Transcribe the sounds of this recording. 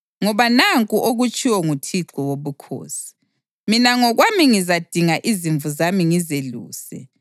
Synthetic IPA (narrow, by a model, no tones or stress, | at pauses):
ŋɔβanaŋkʼuʔoɣut͡ʃʼiwɔŋutʰiǁɔwoβukʰo̰ːsi̥ | minaŋɔɣwamiŋizad̥ʱiŋaʔiziɱvuzamiŋizelṵːsɛ̰